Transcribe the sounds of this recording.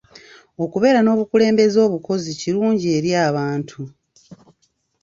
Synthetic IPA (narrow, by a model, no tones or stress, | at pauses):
o̞kuβe̞ːɾano̞ːβukule̞ːmbe̞zo̞ːβuko̞ziciɾuːɲɟie̞ɾjaːβaːntʰu